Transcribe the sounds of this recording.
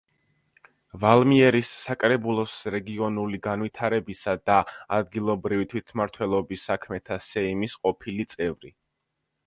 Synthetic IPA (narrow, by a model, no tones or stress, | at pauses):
valˠmiɛɾisːakʼɾɛbulˠɔsɾɛɡiɔnuliɡanwit̪ʰaɾɛbisad̪aad̪ɡilˠɔbɾivit̪ʰwit̪ʰmaɾt̪ʰwɛlˠɔbisːakʰmɛt̪ʰasɛimisqʼɔpʰilit̪sʼɛvɾḭ